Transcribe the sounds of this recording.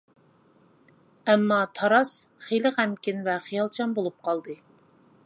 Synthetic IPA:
ɛmːɑt̪ʰɑɾɑs | χelɨqɛmkʲinvɛχijɑlˠt͡ʃʰɑmbolˠup̚qʰɑlˠd̪ɨ

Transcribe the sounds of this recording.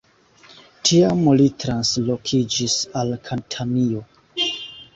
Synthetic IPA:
tʰiamolitɾanslo̞kʰid͡ʒisalkʰantʰamio̞

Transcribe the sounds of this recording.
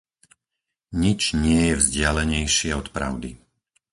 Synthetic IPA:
ɲit͡ʃɲɪɛjɛvzɟɪalɛɲɛjʃɪɛɔt̪pɾa̰ʊd̪i

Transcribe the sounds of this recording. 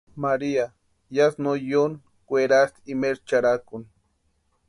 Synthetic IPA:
maɾia | jasnojon | kweɾast̪imeɾt͡ʃaɾakʊn

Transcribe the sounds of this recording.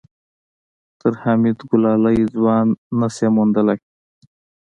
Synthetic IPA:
t̪əɾhamit̪ɡʊlɑːlajzwɑːnːasemond̪əlak

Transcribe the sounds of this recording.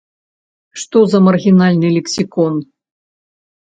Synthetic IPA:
ʂt̪ɔzɐmɐrɣʲinalʲnɨlʲɛksʲikɔn

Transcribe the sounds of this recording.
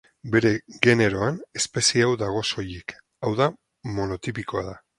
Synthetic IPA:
be̞ɾe̞ɣe̞ne̞ɾo̞ane̞spe̞sieawðaɣ̞o̞so̞jek | awða | mo̞no̞t̪ipiko̞aða

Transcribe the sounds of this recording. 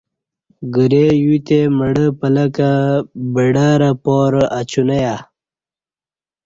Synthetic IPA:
ɡəɾejut̪eməɽəpələkabəɽaɾapoɾʔat͡ɕunaja

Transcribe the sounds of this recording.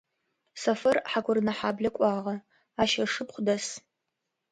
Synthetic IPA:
sɐfɐrħaɡʷʊrnɐħaːbɮɐkʷʼɑːʁɐ | aːʃɐʂɨpχʷʊdɐs

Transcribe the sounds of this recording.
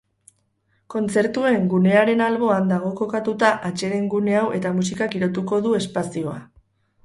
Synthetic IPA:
ko̞nt͡se̞ɾt̪ue̞ŋɡune̞aɾe̞nalβ̞o̞and̪aɣ̞o̞ko̞kat̪ut̪aʔat͡ʃe̞ɾe̞ŋɡune̞awʔe̞t̪amusikakiɾo̞t̪uko̞ðue̞spasio̞a

